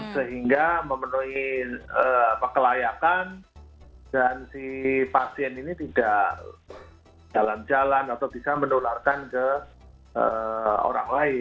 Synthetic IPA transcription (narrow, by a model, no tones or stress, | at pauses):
səɦiŋɡaməmənuiəːapakəlajakan | d̥ansipasiɛninit̪idaʔ | d͡ʒaland͡ʒalanat̪awbisamənularkankə | ʔə̰o̰ɾaŋlaɪ